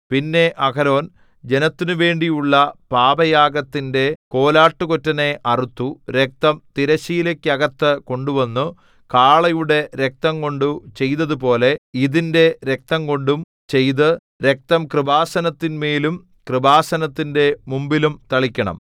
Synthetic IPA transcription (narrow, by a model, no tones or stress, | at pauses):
pinːe̞ʔɐkɐɾo̞ːn | d͡ʑe̞nɐt̪ːinuʋe̞ːɳɖijuɭːɐpaːbɐjaːɡɐt̪ːinde̞ko̞ːlaːʈːuko̞tːɐne̞ʔɐrut̪ːuɾe̞k̚t̪ɐmt̪iɾɐɕiːlɐkʲːɐɣɐt̪ːɨko̞ɳɖuʋɐnːu | kaːɭɐjuɽe̞ɾek̚t̪ɐŋko̞ɳɖut͡ɕe̞jt̪ɐðupo̞ːle̞iðinde̞ɾek̚t̪ɐŋko̞ɳɖum | t͡ɕe̞jt̪ɨ | ɾe̞k̚t̪ɐmkrɨbaːsɐnɐt̪ːinmeːlum | krɨbaːsɐnɐt̪ːinde̞mumbilumt̪ɐɭikʲːɐɳɐ̰m